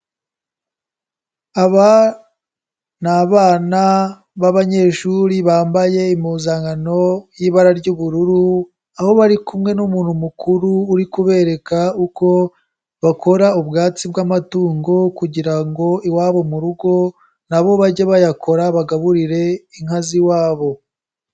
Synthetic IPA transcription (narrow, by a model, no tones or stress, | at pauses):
aβa | naβaːna | βaβaɲe̞ʃuɾiβaːmbaje̞imuːzaːŋɡano̞jiːβaɾaɾɟuːβuɾuɾu | aho̞βaɾikumŋe̞numuːnhumukʰuɾuːɾikuβe̞ːɾe̞kauko̞ | βakʰo̞ɾaubɡaːt͡sibɡamatuːŋɡo̞kuɟiɾaŋɡo̞iwaːβo̞muɾuɡo̞ | naβo̞βaɟeβajakʰo̞ɾaβaɡaβuɾiɾe̞iŋaziwaːβo̞